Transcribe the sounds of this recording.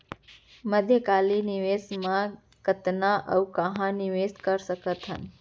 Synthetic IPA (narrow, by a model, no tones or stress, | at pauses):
məd̪ʱjəkaːliniʋesmã | kət̪naʔə̰wkəɦãniʋeskəɾsəkət̪ɦə̰n